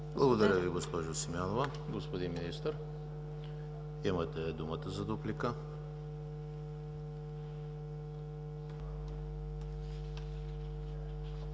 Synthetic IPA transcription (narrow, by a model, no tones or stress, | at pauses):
blˠɐɡod̪ɐɾʲəviɡospɔʒʊsimjanovɐ | ɡospod̪inminist̪əɾ | imət̪ɛd̪umət̪əzɐd̪oplikə